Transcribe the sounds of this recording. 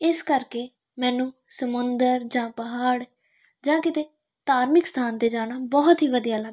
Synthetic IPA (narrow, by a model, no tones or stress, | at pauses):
ɪskəɾkeː | mɛ̃ːnũː | səmʊnd̪əɾd͡ʒãːpəɦaːɽ | d͡ʒãːkɪt̪eː | t̪aːɾmɪkst̪ʰaːnt̪eːd͡ʒaːɽ̃aːbɔːt̪ɦiːʋəd̪ijaːla